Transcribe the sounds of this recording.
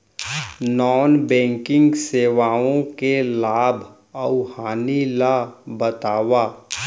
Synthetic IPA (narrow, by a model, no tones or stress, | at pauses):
nɔːnbɛ̃ːŋkɪ̃ŋɡseːʋaːõkelaːbʱ | əʊhaːnilabət̪aːʋaː